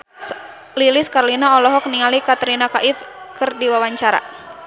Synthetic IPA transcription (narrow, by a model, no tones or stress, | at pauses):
lilɪskarlinaɔlɔɦɔk̚niŋalikat̪ɾinakaʔifkɨrdiwawaɲt͡ʃaɾa̰